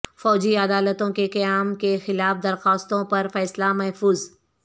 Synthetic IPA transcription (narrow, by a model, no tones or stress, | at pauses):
fɔːd͡ʒiɐd̪aːlət̪õkeqɐjaːmkexɪlaːfd̪ɐɾxaːst̪õpɐɾfɛːslamɐɦfuːz